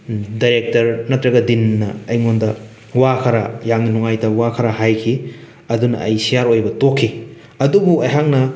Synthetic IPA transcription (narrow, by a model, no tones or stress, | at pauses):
dajɾek̚tɐɾnɐtːɾɐɡɐdinːɐːjŋondɐ | wakʰɐɾɐ̰jaŋninuŋajdɐwakʰɐɾɐɦajkʰi | ɐdunɐ̰ɐjsijaɾojbɐtokʰːi | ɐdubuɐjɦaŋnɐ